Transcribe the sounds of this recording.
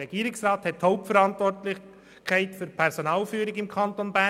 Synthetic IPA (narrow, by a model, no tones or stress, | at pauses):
ɛɡ̥iːɾɪksrɑːthɛthoʊp̚tfəɾɑntvɔrtlɪ | kʰæɪtfyɾpʰɛɾsonɑːlfyːɾɪɡɪmkʰɑntonbæ